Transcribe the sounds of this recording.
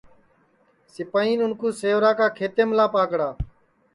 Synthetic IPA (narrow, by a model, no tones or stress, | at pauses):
sɪpaːiːnʊnkũːseːʋɾaːkaːkʰeːt̪eːmlaːpaːkɽaː